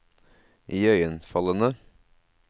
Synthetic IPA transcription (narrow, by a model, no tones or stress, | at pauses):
ʔiːœʏənfɑlənə